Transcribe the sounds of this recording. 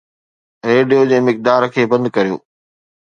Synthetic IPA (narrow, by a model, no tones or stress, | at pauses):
ɾeːɖijod͡ʑeːmɪk̚d̪aːɾkʰeːbɐ̃nd̪kɐɾijo̰ː